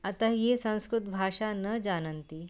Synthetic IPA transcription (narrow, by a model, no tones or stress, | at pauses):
ɐt̪ajesə̃w̃skɾut̪bʱaʂanəd͡ʑanənt̪i